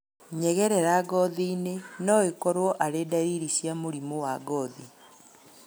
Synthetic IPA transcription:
ɲɛɣɛɾɛɾaɡɔðiːnenɔekɔɾwɔʔaɾedaɾiːɾisjamoɾimowaɡɔði

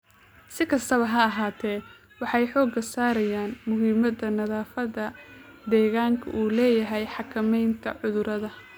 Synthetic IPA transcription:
sɪkʰɐst̪ʰɐβɐɦɐɐɦaːt̪ʰɛː | wɑħɑjħɔːɡɐsaːɾɐjaːnmʊɦiːmɐd̪ɐnɐðaːfɐðɐd̪ɛːɣaːŋkʰɐ̰ʔuːlɛːjɐɦɛjħɑkʰɐmɛjnt̪ʰɐʕʊðʊɾɐðɐ

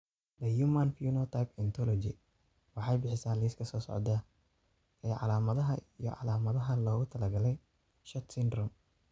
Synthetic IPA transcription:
d̪ɐjumanfjunɐt̪ʰajpɛnt̪ʰɔlɔd͡ʒɪ̰ | wɑħɑjbɪħɪsaːlɛskʰɐsɔːsɔ̰ʕd̪a | ɛːʕɑ̰laːmɐðɐɦɐijɔ̰ʕɑ̰laːmɐðɐɦɐlɔːɣʊt̪ʰɐlɐɡɐlɛj | ʃɐt̪sɪnd̪rɔm

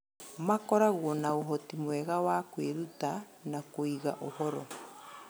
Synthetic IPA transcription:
makɔɾaɣwɔnaoɦɔtimwɛɣawakweɾuta | nakoiɣaʔohɔɾɔ

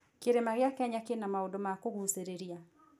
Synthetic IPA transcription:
keɾemaɣɪakɛɲakenamaodomakoɣuseɾeɾia

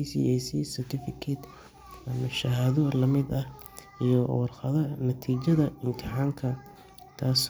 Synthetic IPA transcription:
sḭɛsisɛrt̪ʰɪfɪkʰɛt̪ | ɐmɐʃɐɦɐðɔlɐmɪd̪ɐh | ijɔwɑrqɐðɐnɐt̪ʰiːt͡ʃɐðɐɪmt̪ʰɪħaːŋkʰɐ | t̪ʰaːs

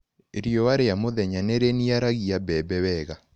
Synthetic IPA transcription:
eɾijɔwaɾeamoðɛɲaneɾeniaɾaɣiabɛbɛwɛɣa

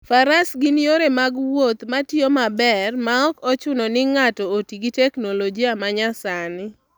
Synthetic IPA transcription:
faɾasɡinjoɾemaɡwot̪matjomabɛrmaɔkɔt͡ʃʊnɔnɪŋatɔotiɡitɛknolod͡ʒiamaɲasanɪ

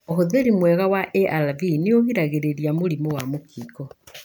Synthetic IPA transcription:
oɦoðeɾimwɛɣawaʔɛʔalavineoɣiɾaɣeɾeɾiamoɾimowamokʰiːkɔ

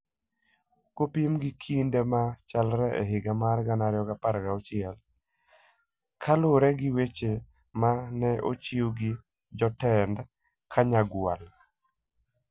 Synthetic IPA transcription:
kopimɡɪkʰindemat͡ʃalɾɛɛ̰ɦɪɡamarɡanaɾɪjɔɡapaɾɡaɔt͡ʃɪɛl | kʰalʊɾɛɡɪwet͡ʃe | manɛʔo̰t͡ʃioɡi | d͡ʒɔtɛnd | kʰaɲaɡwal

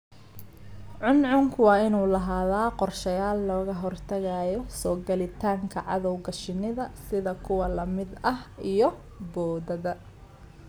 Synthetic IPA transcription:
ʕʊnʕʊŋkʰʊwɑːɪnuːlɐɦaːðaːqɔrʃɐjaːlːɔːɣɐɦɔrt̪ʰɐɣɐjɔsɔːɡɐlɪt̪ʰaːŋkʰɐʕɑðɔwɡɐʃɪnɪðɐsɪðɐkʰʊwɐlɐmɪd̪ɐhijɔ | bɔːðɐðɐ

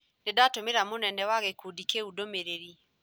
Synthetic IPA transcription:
ndedatomeɾamonɛnɛwaɣekodikeudomeɾeɾi

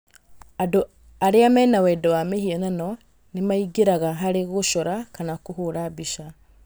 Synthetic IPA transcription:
ado | aɾeamɛːnawɛdɔwamehiɛnanɔ | nemaiɡeɾaɣaɦaɾeɣoʃɔɾakanakohoɾabiʃa

